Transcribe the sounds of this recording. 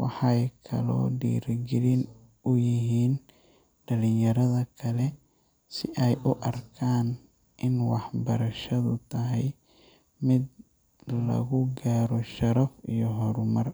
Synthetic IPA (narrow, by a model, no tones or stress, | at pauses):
wɑħɑjkʰɐ̰lɔ̰ːɖḭːɾɡɪlɪn | ʊjɪɦiːn | ɖɐlɪnjɐɾɐðɐkʰɐlɛ | sɪʔɛjʔʊʔɐrkʰaːn | ʔɪnwɑħbɐ̰ɾɐʃɐðʊt̪ʰɐɦɛj | mɪd̪ | lɐ̰ɣʊɡaːɾɔʃɐɾɐfijɔɦɔɾʊmɐr